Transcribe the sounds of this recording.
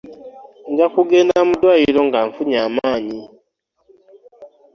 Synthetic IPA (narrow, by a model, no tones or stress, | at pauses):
ɲɟakuɡeːndamudwajilo̞ŋɡaɱfuɲaːmaːɲi